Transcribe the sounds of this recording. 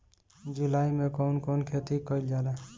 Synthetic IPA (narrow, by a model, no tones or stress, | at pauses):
d͡ʒulajmekɔwnkonkʰet̪ikʌjld͡ʒala